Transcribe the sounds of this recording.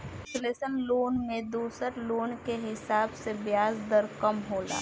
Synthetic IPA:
ɪt͡ʃleːsənloːnmẽd̪oːsəɾloːnkeɦɪsaːbsebjaːzd̪əɾkəmɦoːla̰ː

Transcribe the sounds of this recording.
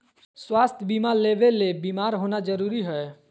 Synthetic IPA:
swaːst̪ʰjbiːmaɾleːʋeːebiːmaːɾɦoːnad͡ʒəɾuːɾiɦɛe

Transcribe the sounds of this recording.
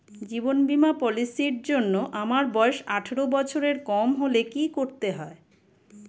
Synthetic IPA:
d͡ʑibonbimapɔlisiɾd͡ʑonːoʔamaɾbɔeʃaʈʰeɾobɔt͡ɕʰoɾeɾkɔmɦolekikoɾt̪eɦɔe

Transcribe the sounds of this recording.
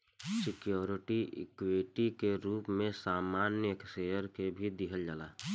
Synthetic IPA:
sɪkjoːɾɪʈiɪ̰kweʈikeɾuːpmẽsaːmaːnjəeksejəɾkebʱid̪ɪɦəld͡ʒalaː

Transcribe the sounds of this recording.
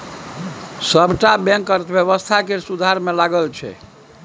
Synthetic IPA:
səbʱʈabɛ̃ŋkəɾt̪bjəβəst̪ʰakesud̪ʱaɾmelaɡəlt͡ʃʰɛ̰

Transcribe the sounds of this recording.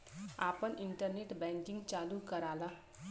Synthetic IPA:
apəniɳʈərneʈbaŋkiŋɡt͡ʃalukʌɾala

